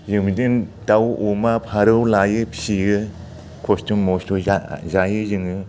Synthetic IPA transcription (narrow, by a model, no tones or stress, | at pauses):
zɯmdindawumapʰaɾɯwlajɯpsiɯ | kʰostumːɔstuazajɯzɯŋɯ